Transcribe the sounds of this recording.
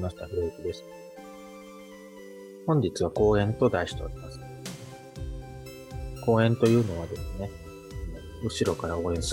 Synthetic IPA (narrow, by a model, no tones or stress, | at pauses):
maɕi̥t̪aɸɯ̟ɾɯ̟ekʲid̪e̞sɨ̥ | hõ̞ɲ̟d͡ʑit͡sɨβako̞ːẽ̞nt̪o̞d̪aiɕi̥t̪o̰ːɾʲimasɨ̥ | ko̞ːẽ̞nt̪o̞jɯ̟ːno̞β̞ad̪e̞sɨne̞ | ɯ̟ɕiɾo̞kaɾao̞ːẽ̞ɰ̃sɨ